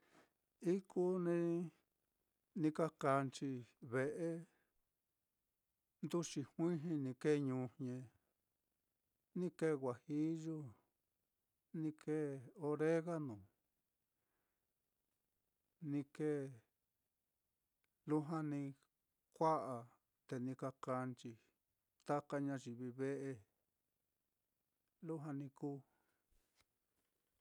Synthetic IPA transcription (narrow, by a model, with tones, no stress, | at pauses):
i˦kʰu˦nĩ˧ | nĩ˧ka˦ka˧nt͡ʃi˧βe˧ʔe˦ | nd̪u˦t͡ʃi˧hwĩ˦ɦĩ˧nĩ˧ke˦˧ɲũː˧ɲẽ˧ | nĩ˦ke˦˧ɣʷa˨hi˦ʒu˦ | nĩ˧ke˦˨o˧ɾe˦ɣa˦nũ˨ | nĩ˧ke˦˨ | lu˦ɦã˧nĩ˧ | kʷa˦ʔa˨ | t̪e˧nĩ˧ka˧ka˧nt͡ʃi˧ | t̪a˦ka˧ɲã˧ʒi˨βi˧βe˦ʔe˧ | lu˦ɦã˧nĩ˧kuː˦